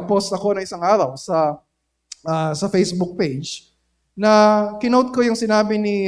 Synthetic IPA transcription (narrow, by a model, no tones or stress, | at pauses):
post̪ɐko̞nɐŋʔɪsaŋʔaːɾɐwsɐ | ʔɐsɐfejsbuk̚pejd͡ʒ | nɐkɪnowt̪̚ko̞jʊŋsɪnaːbɪnɪ